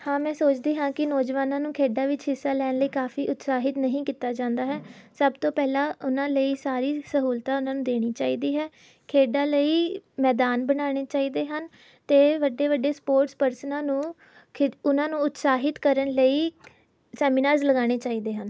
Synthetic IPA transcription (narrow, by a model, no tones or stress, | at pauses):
hãːmɛ̃ːsoːt͡ʃd̪eːɦãːkɪnɔːd͡ʒʋaːnãːnũːkʰeːɖaːʋɪt͡ʃɦɪsːaːlɛːnləiːkaːfiːʔʊt̪saːɦɪt̪nəɦĩːkiːt̪aːd͡ʒãːnd̪aːɦɛːsəbt̪õːpɛːlaːʊnãːləiːsaːɾiːsəɦuːlt̪aːʊnãːnũːd̪eːɽ̃iːt͡ʃaːiːd̪iːɦɛː | kʰeːɖaːləiːmɛːd̪aːnbənaːɽ̃eːt͡ʃaːiːd̪eːɦən | t̪eːʋəɖeːʋəɖeːspoːɾʈspəɾsnãːnũː | kʊnãːnũːʊt̪saːɦɪt̪kəɾənləiː | sɛːmiːnaːɾzləɡaːɽ̃eːt͡ʃaːiːd̪eːɦən